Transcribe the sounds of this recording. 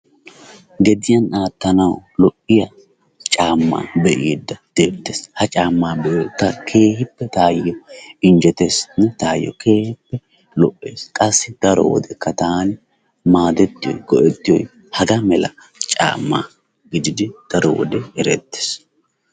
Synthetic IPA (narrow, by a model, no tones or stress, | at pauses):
ɡɛd̪ɪjɐnaːt̪ːɐnɐwlɔʔɪjɐ | t͡ʃʼaːmːa̰ːbɛʔɪd̪ːɐd̪̥eːbt̪ːeːshɐt͡ʃʼaːmːaːbɛjɔt̪ːɐkʰe̞ːhɪpːɛt̪aːjːɔɪnd͡ʒɛt̪esnɛt̪aːjːɔ̰kʰe̞ːhɪpːɛ | lɔʔːeːskʼɐsːɪd̪̥ɐɾɔ̰wɔ̰d̪ɛkːɐt̪aːnɪ | maːd̪ɛt̪ːɪjɔ̰jɡ̥ɔʔɛt̪ːɪjɔ̰j | hɐɡɐmɛlɐ̰ | t͡ʃʼa̰ːmːa̰ː | ɡɪd̪ɪd̪ɪd̪̥ɐɾɔ̰wɔ̰d̪ɛɛɾɛt̪ːe̥ːs